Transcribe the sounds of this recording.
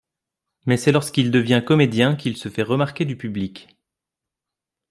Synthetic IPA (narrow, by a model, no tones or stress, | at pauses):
mɛsɛlɔʁskild̪əvjɛ̃kɔmed̪jɛ̃kilsəfɛʁəmaʁkʲed̪ypyblik